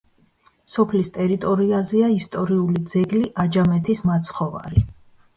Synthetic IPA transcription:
sɔpʰlist̪ʼɛɾit̪ʼɔɾiazɛaist̪ʼɔɾiulid̪zɛɡliʔad͡ʒamɛt̪ʰismat̪sʰχɔva̰ɾi

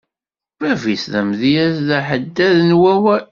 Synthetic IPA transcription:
vævisðæmðijæsðæħəd̪ːæðənwæwæ

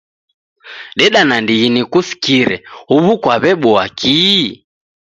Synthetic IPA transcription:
ɗɛɗanandiɣinikusi̥kiɾɛhuβukwaβɛɓɔakʰi

